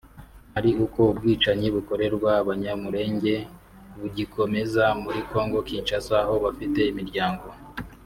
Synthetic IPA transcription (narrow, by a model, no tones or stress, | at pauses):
haɾiuko̞ub̚ɡiːt͡ʃaɲiβuko̞ɾe̞ɾɡwaβaɲamuɾe̞ːɲɟe̞ | βuɟikʰo̞me̞zamuɾiko̞ːŋɡo̞kiːnt͡ʃasaːɦo̞βafite̞imiɾɟaːŋɡo̞